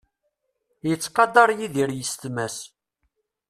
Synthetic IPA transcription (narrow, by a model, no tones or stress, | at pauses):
jət͡sːqɑd̪ɑɾˤjiðiɾjəst̪mæs